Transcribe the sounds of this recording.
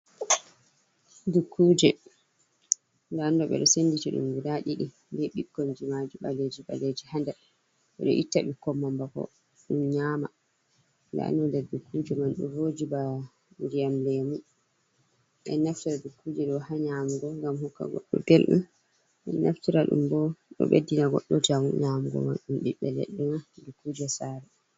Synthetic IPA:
dukːuːd͡ʒɛ | ndandɔɓɛ̰ɗɔsenːditiɗṵmɡidaɗiɗi | ndeɓikːɔnd͡ʒimad͡ʒiɓaled͡ʒiɓa̰led͡ʒihanda | ɓɛɗɔ̰ʔitːaɓikɔmːambakɔ̰ | ɗumɲaːma | nda̰nɔndɛɾdukʰːud͡ʒɛmanɗṵvod͡ʒiba | nd͡ʒijamlɛmu | ʔɛ̰nːaftiɾadukːud͡ʒɛɗɔhaɲamuɡɔŋɡamhukːa̰ɡɔ̰ɗːɔ̰delɗum | ɛnːaftiɾaɗṵmbɔɗɔ̰ɓḛdːinaɡɔ̰ɗːɔd͡ʒamuɲamuɡɔ̰ma̰nɗumɗiɓːɛlḛɗːɛnadukuːd͡ʒɛsaːɾɛ

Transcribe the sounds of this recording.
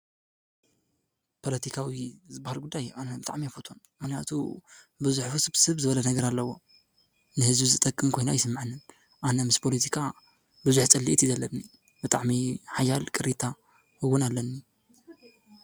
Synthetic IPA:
pʰo̞lɐt̪ʰikʰawizɨbahalɡud̪ːajanɐbɨt̪ʼa̰ʕmiafot̪ʰonmɨxnija̰t̪ʰṵ | bɨzuħfusɨsɨβzɨβɐlɐnɐɡɐɾalːɐwo̞ | nɨhɨzbizɨt̪ʼɐkʼːɨmkʰo̞jnajɪsɨmːaʕɨnːɨn | ʔanɐmɨspʰo̞lit̪ʰikʰa | bɨzuħt͡sʼɨlːiʔit̪jizɐlːɐnːi | b̥ɨt̪ʼaʕmiħajalkʼɨɾit̪ʰa | hɨwʊnalːɐnːi

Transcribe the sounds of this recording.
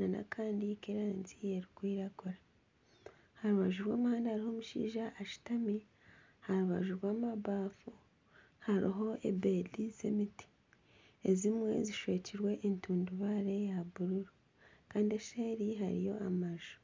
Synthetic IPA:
nana̰kʰaːndikeɾaːnzie̞ɾikwiːɾakoɾa | haɾuβaʒuɾwa̰ːmuhaːndahaɾiho̞ːmuʃḭːʒaʔːʃi̥tami | haɾuβa̰ʒuɾwaːmaβaːfu | haɾḭɦo̞ʔḛbedizḛmiti̥ | ezimwe̞̰ziʃwe̞ːciɾwe̞ʔentuːnduβaɾe̞jaβuɾuɾu | kaːndie̞ʃeɾiɦa̰ɾḭjo̞̰ʔamaʒu̥

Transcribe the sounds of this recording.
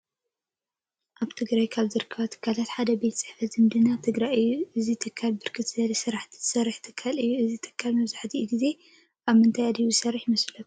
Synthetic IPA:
ʔaβt̪ʰɨɡɾajkʰaβzɨɾɨkʰːɐβat̪ʰɨ̥kʰːalat̪ħad̪ɐbe̞t̪t͡sʼɨħfɐt̪zɨmd̪ɨnat̪ʰɨɡɾajɨjːuʔɨzit̪ʰɨkʰːalbɨɾkʰɨt̪zɐlisɨɾaħt̪ʰi̥z̥ɨsɐrːiħt̪ʰɨkʰːalɨjːuɨzit̪ʰɨ̥kʰːalmɐβzaħt̪ʰiɡize̞ | ʔaβmɨnt̪ʰajad̪ijuzɨsɐrːiħmɐslɐf

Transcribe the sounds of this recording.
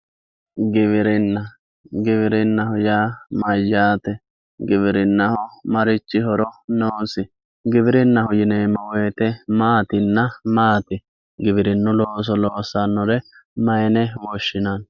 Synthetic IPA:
ɡɪβɪɾɪnːɐ | ɡɪβɪɾɪnːɐhʊjaːmɐjːaːt̪ɛ | ɡɪβɪɾɪnːɐhɔmɐɾɪt͡ʃːɪɦɔɾɔnoːsɪ | ɡɪbɪɾɪnːɐhʊjɪneːmːɔwejt̪ɛmaːt̪ɪnːɐmaːt̪ɪ | ɡɪbɪɾɪnːʊloːs̬ɔloːsanːɔɾɛmɐjnɛwɔʃːɪnɐn

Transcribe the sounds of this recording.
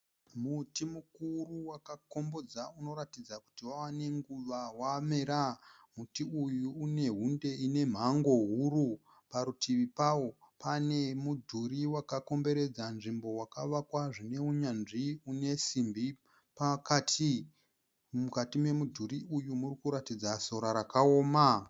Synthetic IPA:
mutimukuruwakako̞mbo̞d͡zauno̞ɾatid͡zaku̥tiwawane̞ŋɡuʋawame̞ɾa | mutiujuːne̞ɦunde̞ine̞m̤aŋɡo̞ɦuɾu | paɾutiʋipawo̞ | pane̞mudʱuɾiwakako̞mbe̞ɾe̞d͡zanʐimbo̞wakaʋakwaʐine̞uɲanʐiune̞simbi | pakatʰi | mukatimwe̞mudʱuɾiujumurikuɾatid͡zaso̞ɾaɾakao̞ːma

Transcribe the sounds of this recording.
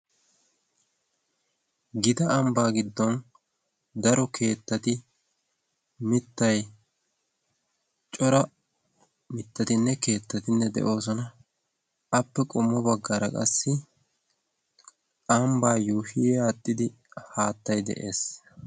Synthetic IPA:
ɡɪd̪ɐɐmbaːɡɪd̪ːɔn | d̪ɐɾɔkʰe̞ːt̪ːɐt̪ɪ | mɪt̪ːɐj | t͡ʃʼɔɾɐ | mɪt̪ːɐt̪ɪnːɛke̞ːt̪ːɐt̪ɪnːɛd̪ɛ̰ʔo̞ːs̬ɔnɐː | pːɛkʼʊmːɔbɐɡːɐɾɐkʼɐ̰sːɪ | ʔɐmbaːjuːhɪjaːt̪ʼːɪd̪ɪ | haːt̪ːɐjd̪ɛ̰ʔe̞ːs

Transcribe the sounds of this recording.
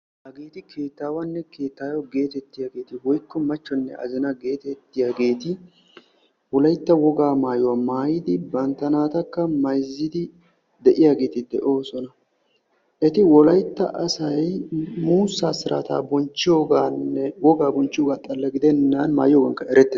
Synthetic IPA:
hɐɡe̞ːt̪ɪkʰe̞ːt̪ːaːwɐnːɛkʰe̞ːt̪ːaːjɔɡe̞ːt̪ɛt̪ːɪjaːɡe̞ːt̪ɪwɔjkːɔmɐt͡ʃːɔnːɛ̰ʔɐ̰zɛnɐɡe̞ːt̪ɛt̪ːɪjaːɡe̞ːt̪ɪ | wɔlɐjt̪ːɐwɔɡaːmaːjʊwamaːjɪd̪ɪbɐnt̪ːɐnaːt̪ɐkːɐmɐjzːɪd̪ɪ | d̪ɛʔɪjaɡe̞ːt̪ɪd̪ɛ̰ʔo̞ːsɔnɐ | ʔɛt̪ɪwɔlɐjt̪ːɐ̰ʔɐsɐjmuːsːaːsɪɾʔa̰ːt̪a̰ːbɔnt͡ʃːɪjoːɡaːnːɛwɔɡaːbɔnt͡ʃːɪjoːɡaːt̪ʼɐlːɐɡɪd̪ɛnːɐnma̰ːjɪjoːɡɐŋkːɐɛɾɛt̪ːɛ

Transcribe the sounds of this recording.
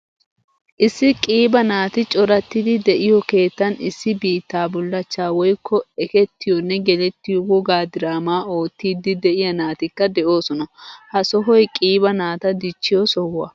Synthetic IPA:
ʔɪsːɪkʼiːbɐnaːt̪ɪt͡ʃʼɔɾɐt̪ːɪd̪ɪd̪ɛʔɪjɔke̞ːt̪ːɐnɪsːɪbiːt̪ːaːbʊlːɐt͡ʃːaːwɔjkʰːɔɛkɛt̪ːɪjɔnːɛɡɛlɛt̪ːɪjɔɡɔɡaːd̪ɪɾaːmaːo̞ːt̪ːiːd̪ɪd̪ɛʔɪjɐnaːt̪ɪkːɐd̪ɛʔo̞ːsɔnɐhɐsɔɦɔjkʼiːbɐnaːt̪ɐd̪ɪt͡ʃːɪjɔsɔwɐ̰

